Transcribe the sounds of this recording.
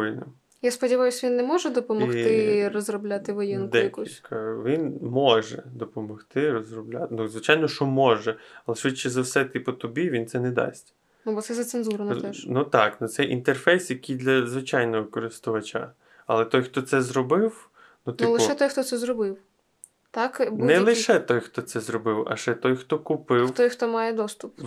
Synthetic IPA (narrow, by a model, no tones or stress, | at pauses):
ɪnɪm | jaspɔdʲɪʋɑjʊsʲʋʲinːɛmɔʒɛd̪ɔpɔmɔxt̪ɪrɔzrɔblʲat̪ɪʋɔjinkd̪ɛjɐkusʲkɑʋʲinmɔʒɛd̪ɔpɔmɔxt̪ɪrɔzrɔblʲa̰t̪nuzʋɪt͡ʃajnɔʃɔmɔʒɛɐlˠɛʃʋɪt͡ʃːɛzɐwsɛt̪ɪpɔt̪ʊbʲiʋʲint̪sɛnɛd̪ɑ̰sʲtʲ | nubɔt̪sɛzɐt̪senzuɾɐnɛʃnut̪ɑknʊt̪sɛʔḭnt̪erfɛjsjɐkʲijd̪lʲɐzʋɪt͡ʃɑjnɔʋɪkɔɾɪst̪ʊʋɐt͡ʃa̰ | ɐ̰lˠɛt̪ɔjxt̪ɔt̪sɛzɾɔbɪw | nut̪ɪʊlˠɪʃɛt̪ɔjxt̪ɔt̪sɛzrɔbɪw | t̪ɑkbnɛlˠɪʃɛt̪ɔjxt̪ɔt̪sɛzɾɔbɪwɐ̰ʃɛt̪ɔjxt̪ɔkʊpɪwt̪ɔjxt̪ɔmɑjɛd̪ɔst̪ʊp